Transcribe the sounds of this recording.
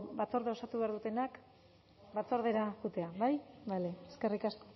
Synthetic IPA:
bat͡so̞ɾðeo̞sat̪uβeaɾðut̪e̞nak | bat͡so̞ɾðe̞ɾaxut̪e̞aβajβaleeske̞rikasko

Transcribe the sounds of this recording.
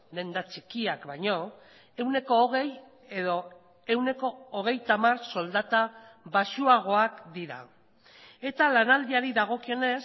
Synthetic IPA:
d̪e̞nd̪at͡ʃikiakbaɲo̞ | e̞wne̞ko̞ːɣ̞e̞j | eðo̞ | e̞wne̞ko̞ːɣ̞e̞jt̪amarso̞ld̪at̪aβaʃuaɣ̞o̞akd̪iɾa̰ | e̞t̪alanald̪iaɾiðaɣ̞o̞kio̞ne̞s

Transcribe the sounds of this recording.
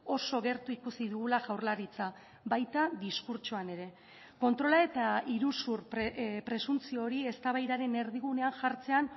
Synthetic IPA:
o̞so̞ɣe̞ɾt̪uikusiðuɣulaʝawɾlaɾit͡sa | βajt̪aðiskuɾt͡ʃuane̞ɾe̞ | ko̞nt̪ɾo̞lae̞t̪aiɾusuɾppɾe̞sunt͡sio̞ɾie̞st̪aβajɾaɾe̞ne̞ɾðiɣune̞aŋʝaɾt͡se̞an

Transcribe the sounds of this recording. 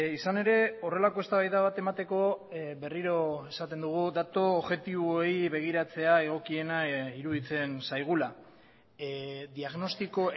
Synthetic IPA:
isane̞ɾe̞o̞re̞lako̞e̞st̪aβajðaβat̪e̞mat̪e̞ko̞βe̞riɾo̞e̞sat̪e̞nd̪uɣ̞uðat̪o̞ːβʝe̞t̪iβoejβe̞ɣ̞iɾat͡se̞ae̞ɣ̞o̞kie̞naiɾuðit͡se̞nsajɣ̞ula | d̪iaɣno̞st̪iko̞

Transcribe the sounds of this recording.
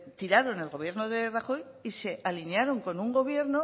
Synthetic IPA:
t̪iɾaɾo̞ne̞lɣo̞β̞je̞ɾno̞ðe̞raxo̞j | ise̞ʔalinjaɾo̞ŋko̞nuŋɡo̞β̞je̞ɾno

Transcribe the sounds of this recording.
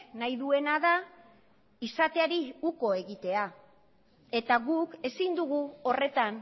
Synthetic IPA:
najðue̞naða | isat̪e̞aɾiuko̞e̞ɣit̪e̞a | e̞t̪aɣuke̞sind̪uɣ̞uo̞re̞t̪an

